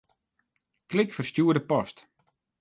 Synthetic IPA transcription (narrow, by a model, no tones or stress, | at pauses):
klɪkfərstjuːədəpɔst